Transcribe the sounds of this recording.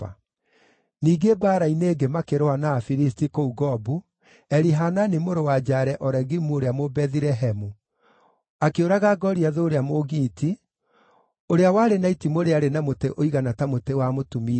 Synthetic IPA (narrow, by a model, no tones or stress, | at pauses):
a | niːɡebaːɾaineːɡemakeɾoanafiɾistikouɡɔbu | ɛɾiɦananimoɾowad͡ʒaɾɛʔɔɾɛɣimuoɾeamobɛðiɾɛɦɛmu | akeoɾaɣaɡɔɾiaðoːɾeamoɣiːti | oɾeawaːɾenaitimoɾeaɾenamoteʔoiɣanatamotewamotumi